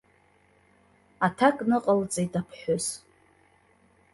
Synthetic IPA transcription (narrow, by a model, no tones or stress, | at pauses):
atʰakʼnɨqʼəlt͡sʼejtʼapʰħʊz̥